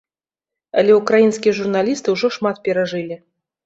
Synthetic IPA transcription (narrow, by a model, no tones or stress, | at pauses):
alʲɛukɾajinskʲijɛʐurnalʲist̪ɨwʐɔʂmat̪pʲɛɾaʐɨlʲi